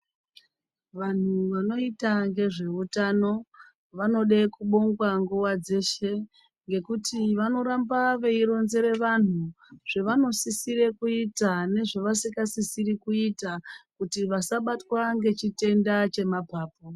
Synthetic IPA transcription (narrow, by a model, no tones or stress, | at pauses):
ʋan̤uʋano̞itaŋɡe̞ʐe̞utano̞ | ʋano̞ɗekuɓo̞ŋɡwaŋɡuwad͡ze̞ʃe̞ | ŋɡe̞kutiʋano̞ɾambaʋe̞iɾo̞nze̞ɾe̞ʋan̤u | ʐ̥eʋano̞sisiɾekuitane̞ʐeʋasikasisirikuitakutiʋasaɓatwaŋɡe̞t͡ʃite̞ndat͡ʃe̞mapaːp̚o